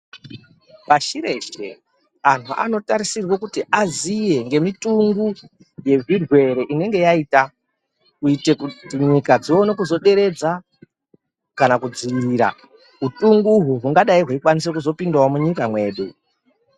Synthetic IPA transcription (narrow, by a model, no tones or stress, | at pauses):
paʃiɾe̞ʃḛ | an̤uʔa̰no̞taɾisirwokutiʔazije̞ŋɡe̞mituŋɡu | je̞virwe̞ɾe̞ʔine̞ŋɡe̞jaita | kuite̞kutiɲikad͡zionekuzo̞ɗe̞ɾe̞d͡za | kanakud͡ziʋiiɾa̰ | ɦutuŋɡuɦuɦuŋɡaɗaiɦwaikwanis̬ekuzo̞pindawomuɲikamwe̞ːɗu